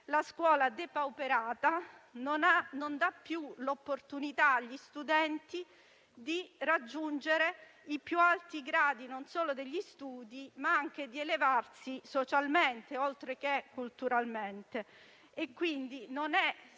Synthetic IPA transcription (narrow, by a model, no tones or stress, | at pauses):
laskwɔːlad̪epaupeɾaːt̪anonanond̪apːjulopːort̪unit̪aːʎːist̪ud̪ɛnt̪i | d̪irad͡ʒːund͡ʒeɾeipjualt̪iɡɾaːd̪inonsoːlod̪eʎːist̪uːd̪imaaŋk̟ed̪ielevarsisot͡ʃalment̪eolt̪ɾek̟ekːult̪uɾalment̪e | ekːwind̪inonɛ